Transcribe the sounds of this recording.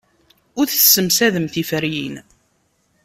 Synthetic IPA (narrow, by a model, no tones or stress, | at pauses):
ʊɾθsəmsæðəmθifəɾjḭn